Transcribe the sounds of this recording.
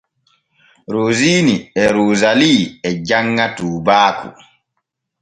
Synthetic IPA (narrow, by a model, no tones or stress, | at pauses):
ɾoːziːniɛɾoːzaliːɛd͡ʒaŋːatuːbaːkṵ